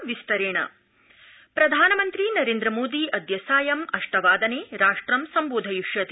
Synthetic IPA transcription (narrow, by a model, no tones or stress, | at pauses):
ʋist̪ɐɾeːɳɐ̰ | pɾɐd̪ʱaːnɐmɐnt̪ɾinɐɾeːnd̪ɾɐmoːd̪iʔɐd̪ʱjɐsaːjɐmɐʂʈɐʋaːd̪ɐneːɾaːʂʈɾɐmsɐmboːd̪ʱɐjuʂjɐt̪i